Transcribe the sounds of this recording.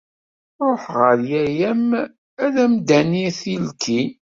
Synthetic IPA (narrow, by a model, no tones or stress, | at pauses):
ɾˤoħʁəɾjæjæm | æðæmd̪æniθilkʰin